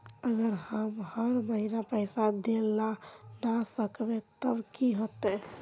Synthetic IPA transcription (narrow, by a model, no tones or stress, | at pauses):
əɡəɾhəmhəɾməɦinapəɪsad̪elːanasəkbet̪əbkiɦot̪ɛ